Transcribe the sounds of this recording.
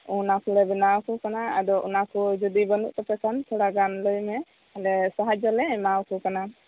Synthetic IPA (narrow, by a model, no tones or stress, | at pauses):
unakuɾɛbɛnawkukanaad̪ɔʔṵnakud͡ʒɔd̪ibənṵʔt̪ɔpɛkant̪ʰɔɽaɡanləjmɛ | ɛlɛsaɦad͡ʒɔlɛɛmawkukana